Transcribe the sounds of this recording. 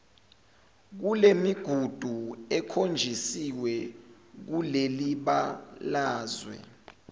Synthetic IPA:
k̬ulemiɡ̥ʱud̥ʱuɛkʰond͡ʒʱisiwɛ | k̬uleliɓalaːzwɛ̰

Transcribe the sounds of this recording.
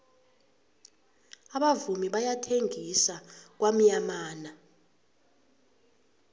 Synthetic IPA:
aɓavumiɓajatʰeŋisak̬wam̩ɲamaːna

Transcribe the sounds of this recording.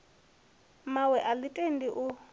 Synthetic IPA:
mawɛʔalitʼendiʔu

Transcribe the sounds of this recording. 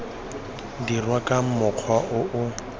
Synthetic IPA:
dirwakʼam̩mʊq͡χʰwaʔʊʔʊ

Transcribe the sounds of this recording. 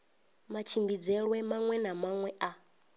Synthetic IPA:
mat͡ʃʰimbid͡zɛɺwɛmaŋwɛnamaŋwɛʔa

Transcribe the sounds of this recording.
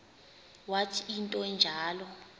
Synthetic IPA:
watʰiintʼɔnd͡ʒʱaːlɔ

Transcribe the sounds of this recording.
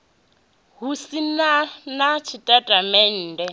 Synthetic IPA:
ɦusinanat͡ʃʰitʼatʼamɛn̩ːdɛ

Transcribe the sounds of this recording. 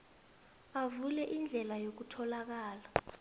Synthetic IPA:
avulɛʔind͡ɮʱɛlajok̬utʰɔlak̬aːla

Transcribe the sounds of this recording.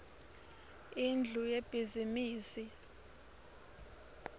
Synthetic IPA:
ind͡ɮʱujeb̥ʱizimiːsi

